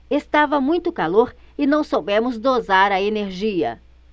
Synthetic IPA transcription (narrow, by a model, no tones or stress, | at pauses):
est̪avɐmũj̃t̪ʊkaloɾɪnɐ̃w̃sobẽmʊzd̪ozaɾɐeneɾʒiɐ̰